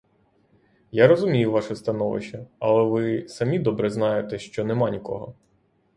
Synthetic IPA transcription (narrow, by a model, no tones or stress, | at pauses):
jaɾɔzʊmʲijʊʋɑʃɛst̪ɐnɔʋɪ̰ʃt͡ʃɐɐ̰lˠɛʋɪsɐmʲid̪ɔbɾɛznɑjʊt̪ɛʃt͡ʃɔnɛmɑnʲikɔ̰ɦɔ̰